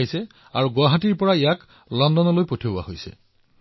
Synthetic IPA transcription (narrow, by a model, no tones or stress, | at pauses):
isɛ | a̰ɹuɡʊwaɦatiɹpɔɹaejak | lɔndɔnɔlojpotʰiobua̰hojsɛ̰